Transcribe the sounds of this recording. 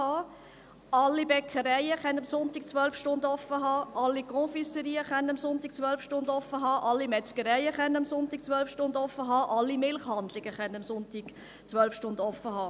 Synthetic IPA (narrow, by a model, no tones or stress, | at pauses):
ɑː | ɑlːibɛkʰəɾɛɪəχɛnəmsʊntɪk̚t͡sʋœlfʃtʊndɔfːəɦɑːʔɑlːikɔ̃fisəɾiːəχɛnɑmsʊntik̚t͡sʋœlfʃtʊnd̪ɔfːəɦɑːʔɑlːimɛt͡skəɾɛɪəχɛnɑmsʊntiːk̚t͡sʋœlfʃtʊnd̪ɔfːəɦɑːʔɑlːimɪlχhɑnd̪lɪɡ̥əχɛnɑmsʊntiɡ̥ | t͡sʋœlfʃtʊndɔfːəɦɑː